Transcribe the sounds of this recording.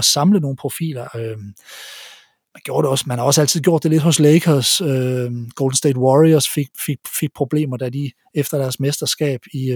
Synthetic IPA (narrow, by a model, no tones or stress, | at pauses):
ɒsɑ̈mləno̝ːn̩pʰʁo̝fḭːlɐø | mænɡ̥jo̝ːɐɾeɒ̽smænhɑ̈ɒ̽sæl̰t͡sʰiðˠɡ̥jo̰d̥ːe̝le̝̥hɔ̽sleɪkʰɐsøɡ̥oːld̥n̩sd̥ḛdwɒʁiɐsfeɡ̥feɡ̥̚fe̝ɡ̥̚pʰʁo̝b̥le̝̰ːmɐd̥æd̥i | efd̥ɐd̥æɐsmesd̥ɐsɡ̥ɛ̰ːb̥i